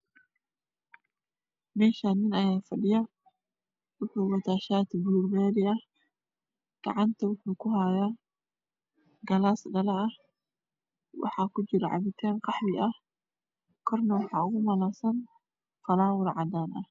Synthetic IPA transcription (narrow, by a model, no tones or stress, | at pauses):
mɛːʃanːɪnɐjaːfɐɗɪjɐ | wʊħuwɐt̪aːʃaːt̪buːɾbeːɾɪʔɐ | ɡ̪̥ɑ̰ʕant̪ɐwʊħukʊhaːjaː | ɡɐlaːsɗɐlaʔɐ | wɑ̰ħakʊd͡ʒɪɾʕa̰bɪt̪ʰeːnqɑħbɪʔɐ | kʰɔɾnɐwʊħaːɣʊmɐlaːsɐn | fɐlaːwʊɾʕad̪aːnʔɐ